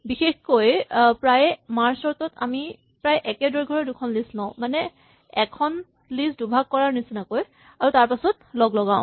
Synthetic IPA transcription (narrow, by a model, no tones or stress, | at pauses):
bixexkojpɹajmaɹsɔɹtɔta̰mi | pɹajʔɛkɛdɔɹɡʱɔɹɔdukʰɔnlisnãʊ̃manɛ | ɛkʰɔn | lisdubʱak̚ːɔɹaɹnisinakoj | aɹutaɹpasɔt̚ | lɔɡlɔɡãʊ̰̃